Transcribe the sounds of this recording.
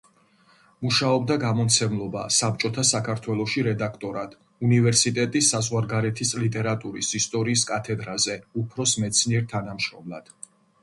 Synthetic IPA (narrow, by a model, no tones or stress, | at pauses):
muʃaɔbd̪aɡamɔt̪sʰɛmlˠɔba̰sap̚t͡ʃʼɔt̪ʰasakʰaɾt̪ʰwɛlˠɔʃiɾɛd̪akʰt̪ʼɔɾad̪̥ | univɛɾsit̪ʼɛt̪ʼisːazʁwaɾɡaɾɛt̪ʰislit̪ʼɛɾat̪ʼuɾisist̪ʼɔɾiːskʼat̪ʰɛd̪ɾazɛupʰɾɔsmɛt̪sʰniɛɾt̪ʰanamʃɾɔmlˠa̰d̪̥